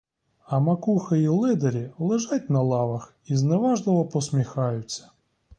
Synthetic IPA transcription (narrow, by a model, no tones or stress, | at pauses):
ɐmɐkuxɐjilˠɪd̪ɐɾʲilˠɪʒat̚ʲnɐlˠɑʋɐx | izneʋɑʒlˠɔʋɔpɔsmʲixɑjʊt͡sʲːɐ̥